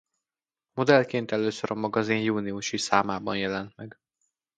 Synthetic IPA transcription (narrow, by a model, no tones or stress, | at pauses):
mo̞d̪ɛlkeːnt̪ɛløːsøɾɒmɒɡɒzinjuːniuʃisaːmaːbɒnjɛlɛnt̪mɛɡ